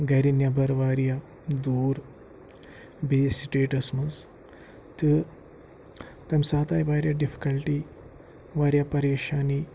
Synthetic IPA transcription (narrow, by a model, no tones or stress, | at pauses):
ɡɐɾinjabʱɐɾʋaɾja | d̪uːɾ | besiʈeʈɐsmɐs | t̪ɨ | t̪ɐmsat̪ajbaɾjaɖifi̥kəlʈi | ʋaɾjapɐɾeɕani